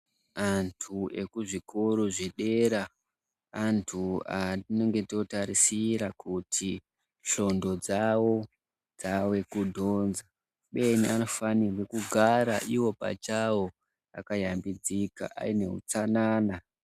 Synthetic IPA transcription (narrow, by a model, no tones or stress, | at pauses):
antʰue̞̰kuʐikʰoɾoʐeɗe̞ɾaː | ntʰuadino̞ŋɡe̞to̞taɾisiɾakutʰi | ɬo̞ndo̞d͡zawo̞ | d͡zawe̞kudʱo̞ːnza | ɓe̞niano̞fanirwekuɡʱaɾaʔiwo̞pa̰t͡ʃawo | a̰kajambid͡zika̰ʔa̰ine̞̰ṵt͡sanaːna